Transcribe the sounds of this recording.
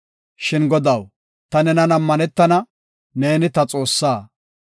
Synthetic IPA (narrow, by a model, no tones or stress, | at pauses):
ʃɪnɡɔd̪ɐw | t̪ɐnɛnɐnɐmːɐnɛt̪ːɐnɐ | ne̞ːnɪt̪ɐt͡sʼo̞ːsːaː